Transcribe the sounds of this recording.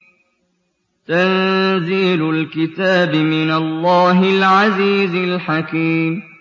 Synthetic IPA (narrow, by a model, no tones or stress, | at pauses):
t̪anziːlʊlkɪt̪aːbɪmɪnalˤːɑːɦɪlʕaziːzɪlħakiːm